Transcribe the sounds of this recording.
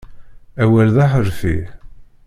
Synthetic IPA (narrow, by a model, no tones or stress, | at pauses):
æwælðaħəɾfi